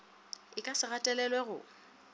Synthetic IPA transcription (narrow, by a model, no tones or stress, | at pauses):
ɪkʼasɪɣatʼɛlɛlwɛɣʊ̰